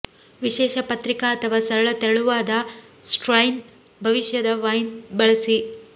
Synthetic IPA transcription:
ʋiʃɛːʃɐpɐt̪ɾikaɐt̪ʰɐʋaːsɐɾɐɭɐt̪eɾɐɭuʋaːd̪ɐsʈɾɐjn | bʱɐʋiʃjɐd̪ɐʋɐjnbɐɭɐsi

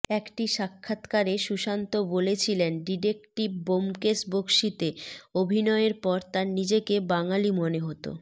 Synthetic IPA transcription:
ɛkʈiʃakʰːat̪kaɾeʃuʃant̪obolet͡ɕʰilenɖiɾekʈibbomkesbokʃit̪eobʱinɔeeɾpɔɾt̪aɾnid͡ʑekebaŋalimoneɦot̪o̰

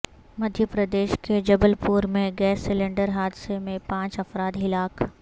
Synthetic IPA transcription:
mɐd̪ʱjəpɾəd̪eːʃked͡ʒɐbəlpuːɾmẽɡɛːsːɪlẽɳɖəɾɦaːd̪semẽpãːt͡ʃɐfɾaːd̪ɦɪlaːk

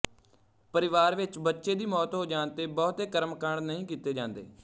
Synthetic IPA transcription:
pəɾɪʋaːɾʋɪt͡ʃbətːʃeːd̪iːmɔːt̪ɦoːd͡ʒãːnt̪eːbɔːt̪eːkəɾmkəɳnəɦĩːkiːt̪eːd͡ʒãːnd̪ḛː

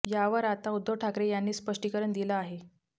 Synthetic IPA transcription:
jaʋəɾat̪aud̪ʱːoʈʰakɾejanːiːspəʂʈikəɾəɳd̪ilaːɦe

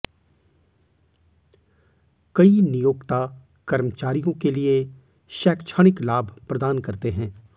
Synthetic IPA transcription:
kɐinijoːkt̪a | kɐɾmət͡ʃaːɾijõkelie | ʃɛːkt͡ʃʰaːɽ̃ɪklaːbʱpɾɐd̪aːnkɐɾt̪eɦɛ̃ː

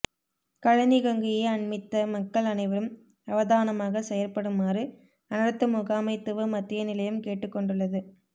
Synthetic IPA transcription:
kɐɻɐnɪɣɐŋɡɪjeɪɐɳmɪt̪ːɐmɐkːɐɭɐnɐɪʋɐɾɯm | ɐʋɐðaːnɐmaːɣɐsɛjɐlpɐɽɯmaːrɯ | ɐnɐɽɯt̪ːɐmʊɣaːmɐɪt̪ːɯʋɯmɐt̪ːɪjɐnɪlɐjɯmkeːʈːɯkːɔɳɖɯɭːɐðɯ

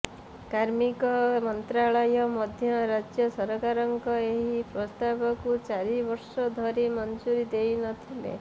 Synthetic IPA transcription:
kaɾmikɔmɔnt̪ɾaɭɔjɔmɔd̪ʱjɔɾad͡ʒjɔsɔɾɔkaɾɔŋkɔeɦipɾɔst̪abɔkut͡ʃaɾibɔɾsɔd̪ʱɔɾimɔnd͡ʒuɾid̪ejnɔt̪ʰilḛ

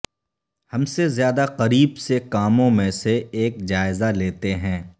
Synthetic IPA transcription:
hɐmsezjaːd̪aqɐɾiːbsekaːmõmẽseeːkd͡ʒaːɪzaleːt̪eɦɛ̃ː

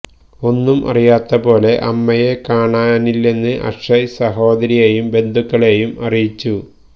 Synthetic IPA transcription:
o̞nːumʔɐ̰rijaːt̪ːɐpo̞ːle̞ʔɐmːɐje̞kaːɳaːnilːe̞nːɨʔɐ̰ʂɐjsɐɦo̞ːd̪ɐɾijeːjumbe̞nd̪ʱukːɐɭeːjumɐrijit͡ɕːu

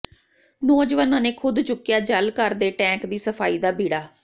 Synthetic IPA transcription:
noːd͡ʒʋaːnãːneːkʰʊd̪t͡ʃʊkːjaːd͡ʒəlkəɾd̪eːʈɛ̃ːŋkd̪iːsəpʰaːiːd̪aːbiːɽaː

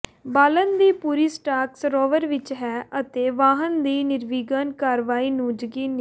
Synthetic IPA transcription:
baːlənd̪iːpuːɾiːsʈaːksɾoːʋəɾʋɪt͡ʃɦɛːət̪eːʋaːɦənd̪iːnɪɾʋiːɡənkaːɾʋaːiːnũːd͡ʒɡiːnː

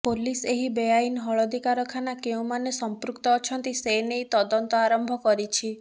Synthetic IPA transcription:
poliseɦibejajnɦɔɭɔd̪ʱikaɾɔkʰanakeũmanesɔmpɾukt̪ɔːt͡ʃʰɔnt̪isenejt̪ɔd̪ɔnt̪ɔaɾɔmbʱɔkɔɾit͡ʃʰi

